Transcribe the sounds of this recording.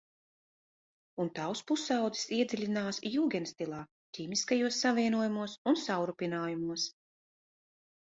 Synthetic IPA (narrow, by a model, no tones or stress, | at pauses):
unt̪awspusawd̪zi̥siɛd̪zʲilʲinaːsjuːɡʲɛnst̪ilˠaː | cʲiːmiskajuɔsːavʲiɛnuɔjumuɔsunsawɾupʲinaːjumuɔs